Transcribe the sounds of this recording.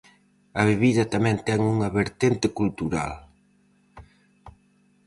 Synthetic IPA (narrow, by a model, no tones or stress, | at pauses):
aβeβiðat̪amɛnt̪ɛŋuŋaβeɾt̪ent̪ekult̪uɾa̰l